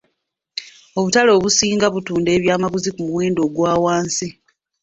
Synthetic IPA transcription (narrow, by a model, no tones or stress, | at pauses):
o̞βutalo̞ːβusiːŋɡaβutuːnde̞ːβjaːmaβuzikumuweːndo̞ːɡwaːwaːnsi